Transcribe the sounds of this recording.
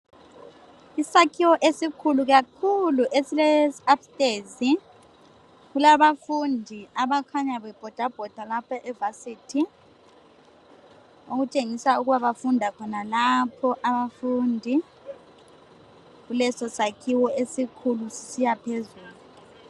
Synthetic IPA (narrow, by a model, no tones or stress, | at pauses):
isakʰiwɔʔesikʰuluɣakʰuluʔesilɛsapstʼeːzi | ɣulaβafundʱiaβakʰaɲaβɛb̥ʱɔd̥ʱab̥ʱɔd̥ʱalapʰaʔɛvasiːtʰi | uɣut͡ʃʼeŋisauɣuβaβafundʱakʰɔnalapʰɔʔaβafuːndʱi | ɣulɛsɔsakʰiwɔesikʰulusi̥sijapʰezuːluu